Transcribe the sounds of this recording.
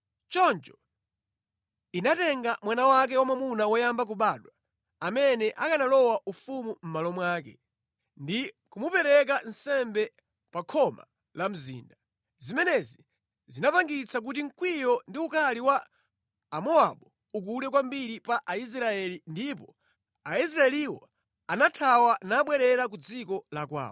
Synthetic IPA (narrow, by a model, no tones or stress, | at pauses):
t͡ʃɔnt͡ʃɔ | inatɛŋɡamwanawak̬ɛwamamunawɔjambak̬uɓaːɗwa | amɛnɛʔakanalɔwaʔufumum̩malɔmwaːk̬ɛ̰ | ndikumupɛɾɛk̬ansɛmbɛ | pakʰɔma̰ | lam̩zḭːnda | zimɛnɛzi | zinapaŋɡit͡sak̬utiŋ̩kwijɔndiukʰaliwaː | mɔa̰ɓɔ | uk̬ulɛk̬wambiɾipaʔais̬ɾaɛlindipɔ | ais̬ɾaɛliwɔ | anatʰawanaɓwɛɾɛɾak̬ud͡zikɔlakwa̰ːɔ